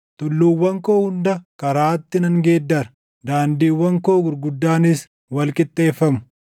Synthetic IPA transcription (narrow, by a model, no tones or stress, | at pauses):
t̪ʊlːuːwːɐŋko̞ːhʊnd̪ɐkɐɾaːt̪ːɪnɐŋɡe̞ːd̪ːɐɾɐ | d̪aːnd̪iːwːɐŋko̞ːɡʊɾɡʊd̪ːaːnɪs | wɐlkʼɪt̪ʼːe̞ːfːɐmʊ̥